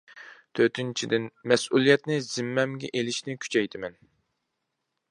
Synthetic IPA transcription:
t̪ʰøt̪ynt͡ʃʰid̪ɪnmɛsʔulˠijɛt̪nɪzɪmːɛmɡʲɛʔelɪʃnɪkʲʰy̥t͡ʃʰɛjt̪ʰɪmɛn

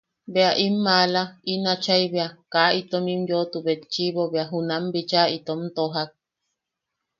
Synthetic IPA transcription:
beaʔimːalainat͡ʃaiβeakait̪omimjot̪uβet͡ʃiβoβeaɦunambit͡ʃait̪omt̪oɦak̚

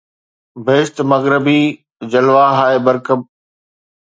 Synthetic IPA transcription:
bʱeːɪst̪mɐɣɾɪbiː | d͡ʑɐlʋaːɦaːebɐɾkəb

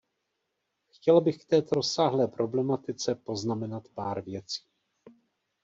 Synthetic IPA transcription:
xcɛlbɪxkt̪ɛːt̪o̞ɾosaːɦlɛːpɾʔo̞blɛmat̪ɪt͡sɛpo̞znamɛnat̪paːɾvjɛt͡si̥ː

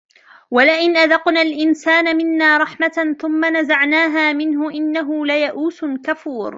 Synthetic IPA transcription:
walɪʔɪnʔaðɑqnaːlʔɪnsaːnamɪnːaːɾˤɑħmaθʊmːanazaʕnaːɦaːmɪnɦʊʔɪnːaɦʊlajaʔuːsʊkafuːɾ

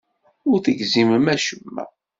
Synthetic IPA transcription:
ʊɾθəɡziməmæʃəmːæ̰

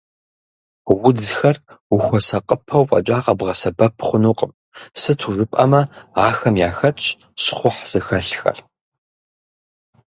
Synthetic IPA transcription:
wʊd͡zxɐr | ʊxʷɔsɐqʼəpʰɐwqʼɐ̰t͡ʃʼaːqʼɐbʁɐsɐbɐpʰχʷʊnuːqʼəm | sɨtʰuʐɨpʼɐmɐaːxɐmjaːxɐtʼ | ɕχʷʊħz̥ɨxɐɬxɐ̰r

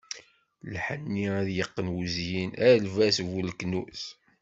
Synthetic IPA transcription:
lħənːiæðjəqːənwuzjinæɾlvæsvulknuθ

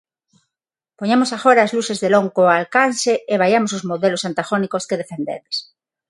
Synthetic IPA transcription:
poɲamosaɣoɾaːzlusezðeloŋkoalkanseeβ̞ajamos̬ozmoðelosant̪aɣonikoskeðefend̪ḛðes

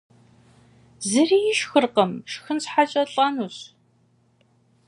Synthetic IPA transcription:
zɨriːjɪʃxɨrqəmʃxɨnɕħaɕʼɐɬʼɐnuːɕ

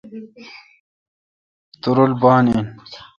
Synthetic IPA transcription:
t̪uɾolbaːnin

